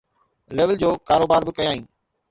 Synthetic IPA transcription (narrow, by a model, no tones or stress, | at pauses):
leːʋəld͡ʑoːkaːɾoːbaːɾbɪkɐjaːɦĩː